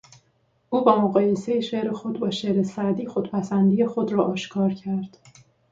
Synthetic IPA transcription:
ʔuːbɒːmoɣɒːje̞se̞jeʃeʔɾexo̞d̪bɒːʃeʔɾesæd̪iːxo̞d̪pʰæsænd̪iːje̞xo̞d̪ɾɒːʔɒːʃkʰɒːɾcʰæɾd̪̥

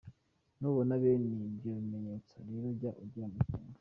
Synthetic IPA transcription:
nuβonaβeniɟioβimeɲet͡saɾeɾobɟaʔuɾɟaːmukuːna

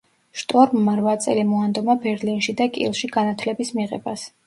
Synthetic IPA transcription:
ʃt̪ʼɔɾmːaɾvat̪sʼɛ̰limɔand̪ɔmabɛɾlinʃid̪akʼḭlˠʃiɡanat̪ʰlɛbismiʁɛbas

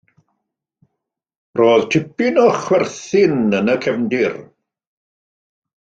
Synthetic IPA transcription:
roːðtʰɪpɪnɔχwɛrθɪnənəkʰɛvndɪr

